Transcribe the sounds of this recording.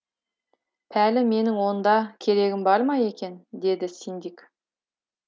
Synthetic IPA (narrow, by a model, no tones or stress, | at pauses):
pʰælɪme̞nɪŋwo̞nd̪ɑkʲʰe̞ɾe̞ɡʲɪmbɑɾmɑje̞kʲe̞nd̪e̞d̪ɪsind̪ik